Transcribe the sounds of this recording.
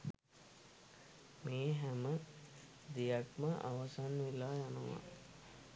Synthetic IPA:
meːɦæmə | d̪ijakməʔa̰ʋasanʋilaːjanəʋa̰

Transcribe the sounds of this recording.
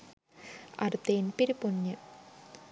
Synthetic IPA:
ɐ̰rt̪ːeːnpiɾupuɲːɨ

